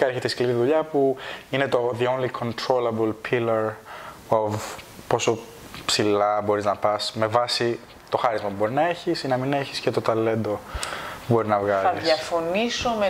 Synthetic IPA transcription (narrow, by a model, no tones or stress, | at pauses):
eɾçet̪eskliɾiðuʎɐpuinet̪o̞ðionlikʰo̞nt̪ɾolɐbulpʰilɐɾovpo̞so̞ | psilɐbo̞ɾiznɐpɐsme̞vɐsi | t̪o̞xɐɾizmɐpubo̞ɾinɐe̞çisinɐmine̞çi̥scet̪o̞t̪ɐle̞nd̪o̞pubo̞ɾinɐvɣɐlɐiðɐfonisome